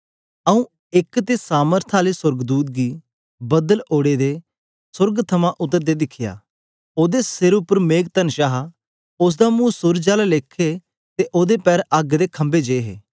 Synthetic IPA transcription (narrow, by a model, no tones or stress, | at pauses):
əũ | ɪkt̪esaːməɾt̪ʰaːlesʊɾɡd̪uːt̪̚ɡiː | bəd̪əloːɽed̪eː | sʊɾɡt̪ʰəmãʔʊt̪ːəɾd̪ed̪ɪkʰːɪja̰ː | oːd̪esɪɾʊpəɾmeːɡt̪ənʃaːɦa | ʊs̬d̪aːmũːsʊɾd͡ʒaːlaleːkʰːe | t̪eʔoːd̪epɛːɾəɡd̪eːkʰə̃mbed͡ʒeːɦḛː